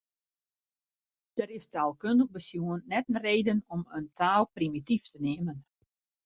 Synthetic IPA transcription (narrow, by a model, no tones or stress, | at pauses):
d̥əɾɪstaːlˠkøndəxbəsjuənːɛtn̩reːdənɔməntʰaːlˠprimitiftəneːmən